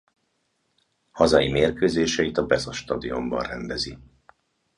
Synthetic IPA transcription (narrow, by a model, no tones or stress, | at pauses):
hɒzɒjimeːrkøːzeːʃɛit̪ɒbɛzoʃt̪ɒd̪io̞mbɒ̰nrɛnd̪ɛzi